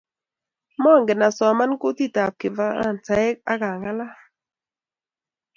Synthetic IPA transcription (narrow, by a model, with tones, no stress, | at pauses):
mɔ˦˨ŋɡɪ˨na˨sɔ˨ma˦nko˦ti˦˨ta˨p̚kɪ˨va˦a̰˦˨n˨ta˨˦ɪ˦k̚a˦ka˨ŋa˦la˦